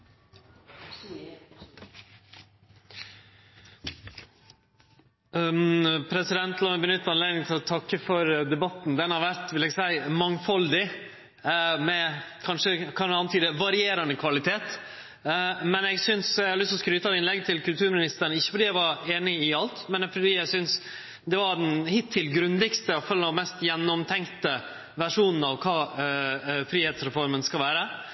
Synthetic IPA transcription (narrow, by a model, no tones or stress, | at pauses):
pʰɾɛsɪd̪ɛnt̪lɑːmɛbənʏt̪ːɑnleːɡ̪nɪŋt̪ʰɪlɔt̪ʰɑkːəfɔɾd̪ɛbɑt̪nd̪ɛnhɑɾʋæɾt̪ʋɪlɛɡsæɪmɑŋfɔld̪ɪ | mɛkʰɑnʂəkʰɑɑnət̪ʰyːd̪əʋɑɾɪeːɾɑnəkʰʋɑlɪt̪ʰeːt̪ | mɛnɛɡsʏnsæhɑlʏst̪ɔskɾyːt̪ɑɪnlɛɡt̪ʰɪlkʉlt̪ʉːɾmɪnɪst̪əɾɳn̩ɪçːə̥fɔɖiːæʋɑɾeːnɪɪɑlt̪mɛnfɔɖiːæɪsʏns | d̪ɛʋɑɾɖ̪ɛnhɪt̪ʰːɪlɡɾʉnd̪ɪɡst̪əfœlɔmɛst̪jɛnːɔmt̪ʰɛŋkt̪ə | ʋæʂuːnn̩ɑʋkʰɑː | fɾiːheːt̪sɾɛfɔɾmənskɑlʋæːɾə